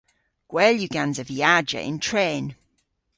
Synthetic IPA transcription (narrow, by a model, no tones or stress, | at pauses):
ɡ̥wɛːljuɡãnzəviaːd͡ʒə̰ʔɪ̰̃ntʰɹeːn